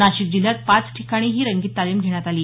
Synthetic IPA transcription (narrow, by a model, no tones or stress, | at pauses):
naɕik̚d̪iljak̪̚pat͡sʈʰi̥kaɽ̃iːɦiːɾəŋɡiːt̪ːaliːmɡʱeɽ̃jat̪aliː